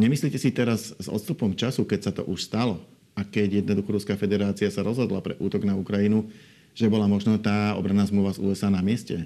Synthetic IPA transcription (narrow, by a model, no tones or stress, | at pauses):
ɲɛmisliːcɛsit̪ɛɾazzɔ̰t̪st̪upɔmt͡ʃasukɛcsat̪ɔ̰ʔuʃst̪alɔ | akɛɟjɛd̪nɔd̪uxɔɾuskaːfɛd̪ɛɾaːt͡siasaɾɔzɦɔd̪lapɾɛ̰ʔuːt̪ɔɡnaukɾajinu | ʒ̥ɛbɔlamɔʒnɔt̪aːɔ̰bɾanːaːzmluʋazṵːɛzaːnamɪɛscɛ